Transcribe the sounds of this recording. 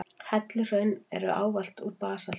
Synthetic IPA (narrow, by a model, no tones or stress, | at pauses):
hɛt̪lʏr̥œːɥnɛ̰ɾʏ̰ʔa̰ːwval̥t̪uɾpaːsal